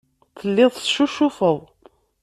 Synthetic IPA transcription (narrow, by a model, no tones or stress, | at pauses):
θəlːɪðˤʃuʃʊfəðˤ